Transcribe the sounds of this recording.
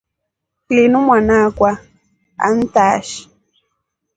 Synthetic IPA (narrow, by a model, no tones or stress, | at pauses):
klinumwanakwa | a̰n̩taːʃi̥